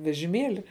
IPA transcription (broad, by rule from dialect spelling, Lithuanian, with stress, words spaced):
ʋʲɛʒʲɪˈmʲeːlʲɪ